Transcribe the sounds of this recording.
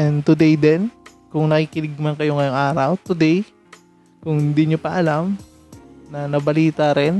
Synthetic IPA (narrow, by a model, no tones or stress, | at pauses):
ɛnd̪t̪ʊd̪ɛjd̪ɛn | kʊŋnɐkiːkɪnɪɡ̚mɐnkɐjoŋɐjoŋʔaːɾɐwt̪ʊd̪ɛj | kʊŋɪnd̪ɪɲopɐʔɐlam | nɐnɐbɐliːt̪aɾɛn